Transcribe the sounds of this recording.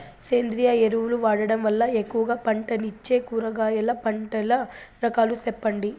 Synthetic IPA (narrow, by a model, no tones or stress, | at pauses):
seːnd̪ɾijaeɾuʋuluʋaːɽɐɽɐmʋɐlːɐekːuʋɐɡaːpɐɳʈɐnit͡ʃːe̞ːkuːɾɐɡaːjɐlːɐpɐɳʈɐlɐɾɐkaːlut̪ɛpːɐɳɖi